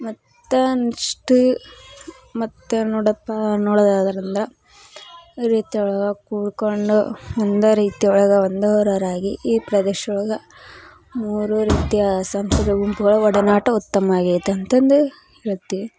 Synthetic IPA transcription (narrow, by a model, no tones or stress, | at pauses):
mɐt̪ːɐniʂʈu | mɐt̪ːenɔːɽɐpːɐnɔːɽɐd̪aːd̪ɐɾind̪ɐɾɐ | ɾiːt̪jɐuɭɐɡɐkuːɽkoɳɖuond̪ɐɾiːt̪ijɐuɭɐɡɐond̪ɐɐɾɐɾaːɡiʔiːpɾɐd̪eːʃɐuɭɐɡɐ | muːɾuɾiːt̪ijɐsɐmst̪ʰɐd̪ɐɡumpuɡɐɭuɔɽɐnaːʈɐut̪ːɐmɐaːɡijt̪ːuɐnt̪ɐnd̪u | eɭt̪ːiʋi